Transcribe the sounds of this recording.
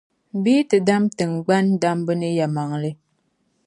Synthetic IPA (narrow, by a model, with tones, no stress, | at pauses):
biː˦tə˨da˦mtə˨ŋ˨ɡ͡ba˦n˦da˦mbə˦nə˦ja˨ma˨ŋlə˦